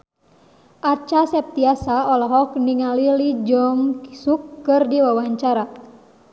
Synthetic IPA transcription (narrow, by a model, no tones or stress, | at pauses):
at͡ʃasɛp̚t̪iasaɔlɔɦɔkniŋalilid͡ʒɔmksukːɨrdiwawaɲt͡ʃaɾa